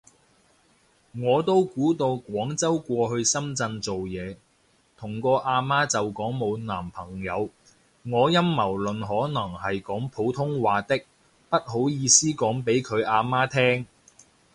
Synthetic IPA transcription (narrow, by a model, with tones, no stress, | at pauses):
ŋɔː˨˧t̪o˥wkuː˨˥t̪o˧wkʷɔː˨˥ŋt͡sɐ˥wkʷɔː˧ɦɵ˧ɥsɐ˥mt͡sɐ˧nt͡so˨wjɛː˨˧ | t̪ʰʊ˨˩ŋkɔː˧ʔaː˧maː˥t͡sɐ˨wkɔː˨˥ŋmo˨˧wnaː˨˩mpʰɐ˨˩ŋjɐ˨˧w | ŋɔː˨˧jɐ˥mːɐ˨˩wlɵ˨nɦɔː˨˥nɐ˨˩ŋhɐ˨jkɔː˨˥ŋpʰo˨˥wt̪ʰʊ˥ŋwaː˨t̪ɪ˥k̚ | pɐ˥t̚ɦo˨˥wjiː˨˧siː˥kɔː˨˥ŋpe˨˥jkʰɵ˨˧ɥʔaː˧maː˥t̪ʰɛː˥ŋ